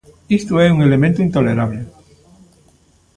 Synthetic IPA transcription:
ist̪oesuŋe̞le̞mẽnt̪uint̪o̞le̞ɾaβle

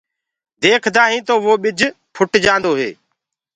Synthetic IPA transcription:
d̪eːkʰd̪aːɦĩːt̪oːʋoːɓɪd͡ʒʱ | pʰʊʈd͡ʒãːnd̪oːɦḛː

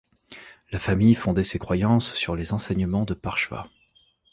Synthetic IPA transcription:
lafamijfɔ̃d̪ɛsekχwajɑ̃sːyʁlezɑ̃sɛɲəmɑ̃d̪əpaʁʃva̰

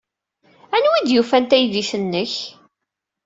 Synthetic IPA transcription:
ænwid̪jufænt̪æjðiθənːəç

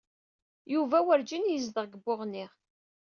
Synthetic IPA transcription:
juvæwəɾd͡ʒinjəzd̪əʁɡəbːʊʁnːiʁ

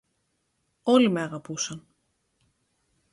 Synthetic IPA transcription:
o̞limeɐɣɐpusɐn

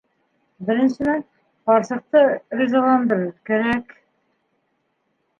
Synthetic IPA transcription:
bɘ̆ɾɘ̆nsɘ̆næn | qɒɾsɤ̆q̚t̪ɤrʲizɑlˠɑnd̪ɤ̆ɾɘɾkæɾæk

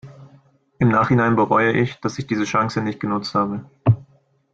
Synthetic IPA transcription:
ʔɪmnaːχhɪnaɪnbəʁɔʏəʔɪçd̥asɪçd̥iːzəʃaŋsənɪçt̚ɡ̥ənʊt͡sthaːbə

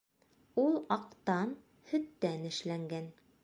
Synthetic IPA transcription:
ulˠɑqt̪ɑn | hɵ̆t̪ːænɘ̆ʃlæŋɡæn

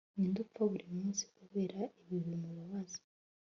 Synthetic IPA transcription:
niːndufoβuɾimuːnsi̥kuβe̞ːɾaʔeβiβimuβuβazi̥

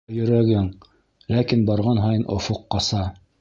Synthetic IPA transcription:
jɵ̆ɾæɡɘŋ | lækinbɑɾʁɑnɦɑjɤnʔŏ̰foqːɑsɑ

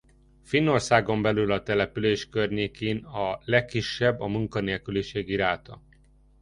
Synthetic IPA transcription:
finːo̞rsaːɡo̞mbɛlylɒt̪ɛlɛpyleːʃkørɲeːkeːnɒlɛkːiʃːɛbːɒmuŋkɒneːlkyliʃeːɡiɾaːt̪ɒ̰

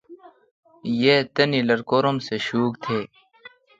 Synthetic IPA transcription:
jeːt̪ɐnilɐɾkoːɾomseɕuːkt̪ʰeː

